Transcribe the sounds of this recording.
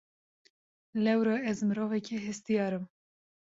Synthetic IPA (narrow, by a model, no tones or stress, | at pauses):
lɛwɾɑɛzmɨɾovɛkʰɛɦɛst̪ijɑːɾɨm